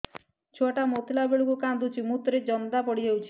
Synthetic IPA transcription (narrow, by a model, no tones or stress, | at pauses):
t͡ʃʰoʈamot̪ʰilabeɭukukand̪ut͡ʃʰimut̪ɾed͡ʒɔnd̪apɔɽid͡ʒawt͡ʃʰi̥